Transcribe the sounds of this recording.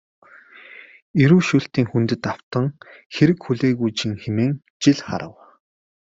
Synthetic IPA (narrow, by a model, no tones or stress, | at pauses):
eɾuːʃuɬt̪iːŋxunt̪ɘ̆t̪aw̥t̪ə̆ŋ | xeɾɘ̆kxuɮeːɣujt͡ɕĭŋxemeːŋ | t͡ɕiɮχa̰ɾə̰̆w